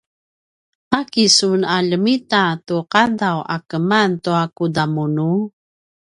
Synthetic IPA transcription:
akisunaʎəmitatuqadawʔa̰kəmantuakudamunu

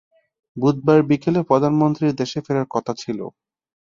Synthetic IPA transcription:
bud̪̚baɾbikelepɾod̪ʱanmont̪ɾiɾd̪eʃefeɾaɾkɔt̪ʰat͡ɕʰilo̰

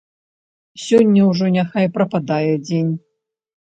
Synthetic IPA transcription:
sʲɔnʲːɐwʐɔnʲaxajpɾɐpad̪ajɛd͡zʲenʲ

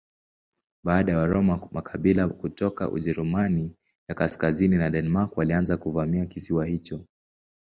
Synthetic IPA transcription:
ɓaːɗajawaɾɔmamakʰaɓilakutɔka̰ʔṵʄɛɾumani | jakaskazininaɗɛnɛmakwalianzakuvamiakisiwahit͡ʃɔ

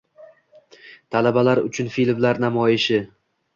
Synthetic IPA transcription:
t̪ʰalabalaɾʊ̰t͡ʃʰʊnfilmlaɾnamɒjɪʃɪ

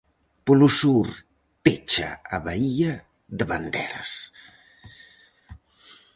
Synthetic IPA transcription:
pulusuɾ | pet͡ʃa̰aβaiɐ | ðəβand̪ɛɾɐs

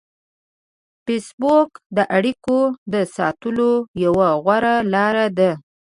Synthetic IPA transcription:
fesbokd̪əʔaɽikod̪əsɑ̰t̪əlojawaɣwaɾalɑɾad̪a

